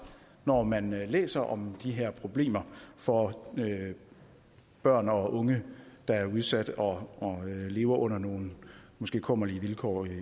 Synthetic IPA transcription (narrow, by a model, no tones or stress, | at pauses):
nɒmænlḛːsɐʔɒ̽md̥iɦeɐpʰʁo̝b̥le̝̰ːmɐfɒ̽ø | b̥ɶɐ̰nɒ̽ʔɔ̽ŋəd̥ɑ̈æɐuðˠsæd̥ɒ̽ɒle̝ːʊɐʔɔ̽n̰ɐno̝ːn̩mɒ̽sɡ̥e̝̰ːkʰɔ̽mɐliʋilkʰɒ̰